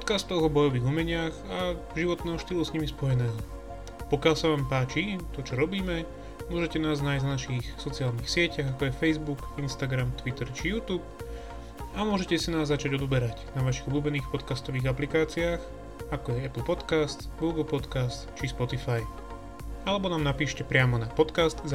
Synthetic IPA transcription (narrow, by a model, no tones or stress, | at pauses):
pɔt̪kast̪ːɔɦɔbɔjɔʋiːɣumɛɲɪaxa | ʒiʋɔt̪̚nɛːɦɔʃt̪iːlusɲimispɔjɛnɛːɦɔ | pɔkalsaʋaːmpaːt͡ʃit̪ɔt͡ʃɔɾɔbiːmɛ | mʊɔʒɛcɛnaːznaːjznvanaʃixsɔt͡siaːlniːxsɪɛcaɣakɔjɛfɛjzbukinst̪aɡɾamt̪ʋit̪ɛɾt͡ʃijuːt̪uːp̚ | amʊɔʒɛcɛsinaːzːat͡ʃaɟɔd̪ɔbɛɾacnaʋaʃiɣuluːbɛniːxpɔt̪kast̪ɔʋiːɣaplikaːt͡siaːx | akɔjɛɛplˠpɔt̪kast̪ɡuːɡl̩ˠpɔt̪kast̪t͡ʃispɔt̪ifaj | alɛbɔnaːmnapiːʃcɛpɾɪamɔnapɔt̪kast̪